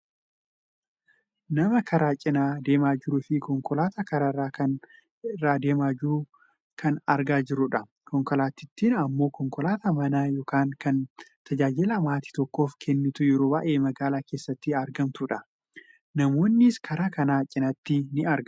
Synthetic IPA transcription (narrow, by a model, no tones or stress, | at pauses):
nɐmɐkʰɐɾaːt͡ʃʼɪnaːd̪e̞ːmaːd͡ʒɪɾuːfɪkɔŋkɔlaːt̪ɐkɐɾaːɪrːaːkɐn | ɪrːaːd̪e̞ːmaːd͡ʒɪɾʊ | kʰɐnɐɾɡaːd͡ʒɪɾʊᶑɐ | kɔŋkɔlaːt̪ːɪt̪ːiːnɐmːo̞ːkɔŋkɔlaːt̪ɐmɐnaːjo̞ːkaːŋkɐnt̪ɐd͡ʒaːd͡ʒɪlɐmaːt̪i̥t̪ɔkːo̞ːfkʰɛnːɪt̪ʊjɛɾoːbaːʔeːmɐɡaːlaːke̞ːsːɐt̪ːɪɐɾɡɐmt̪ʊᶑɐ | nɐmo̞ːnːɪskʰɐɾaːkɐnaːt͡ʃʼɪnɐt̪ːɪnɪɐɾɡɐ